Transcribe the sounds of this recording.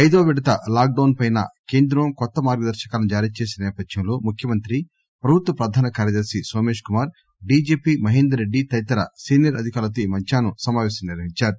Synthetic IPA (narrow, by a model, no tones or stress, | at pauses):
ɐjd̪oːʋɛɽɐt̪ɐlaːk̚ɖɐwnpɐjnɐ̰ke̞ːnd̪ɾɐmkɔt̪ːɐmaːɾɡɐd̪ɐɾʃɐ̥kaːlɐnud͡ʒaːɾiːt͡ʃe̞ːsinɐnɛːpɐd̪jɐmlo̞ːmukʰjɐmɐnt̪ɾi | pɾɐbʱut̪ʋɐpɾɐd̪ʱaːnɐkaːɾjɐd̪ɐɾʃisoːmeːʂkumaːɾ | ɖiːd͡ʒeːpimɐɦeːnd̪ɐɾeɖːit̪ɐjt̪ɐɾɐsiːnjɐɾɐd̪ʱikaːɾlɐt̪imɐɲt͡ʃaːnusɐmaːʋɛːsɐmniɾʋɐɦiɲt͡ʃaːɾu